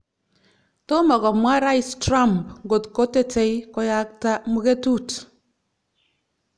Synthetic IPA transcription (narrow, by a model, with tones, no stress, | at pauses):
to˦mɔ˨kɔ˨mwa˦ɾa˦jstɾa˦mpŋɡo˨tko˦tɛ˦tɛ˨jkɔ˦ja˦k̚ta˦mu˦ke˦tu˦t